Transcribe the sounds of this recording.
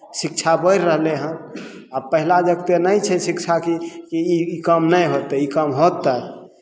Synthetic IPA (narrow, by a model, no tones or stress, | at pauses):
sik̚t͡ʃʰabəjɾɾəɦleɦə̃n | apəɦilad͡ʒəɡt̪enəjt͡ʃʰɛsikt͡ʃʰakikiikəmnəjɦot̪əikəmɦot̪ə